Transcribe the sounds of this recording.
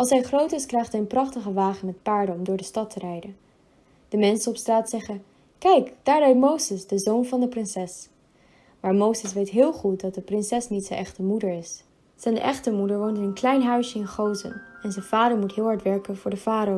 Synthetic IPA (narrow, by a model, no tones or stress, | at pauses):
ʔɑlˠsɦɛjχrowtɪskrɛjχtɦɛjənprɑχtəχəʋaːχənmɛt̚paːɹdəɔmdʊːɹdəstɑtʰərɛjdən | d̥əmɛnsənɔpstraːtsɛχən | kɛjkd̥aːɹrœɥtmowzəsdəzownvɑndəprɪnsɛs | maːɹmowzəs̬ʋejtɦɪːlˠχut̚dɑt̚dəprɪnsɛsnitsənʔɛχtəmudəɹɪs | sɛnʔɛ̰χtəmudəɹʋowntɪnənklɛjnɦœɥsjəɪnχowzə̰nɛnzənv̥aːdəɹmutɦɪːlˠɦɑɹtʋɛɹkənvʊːɹdəv̥aːɾ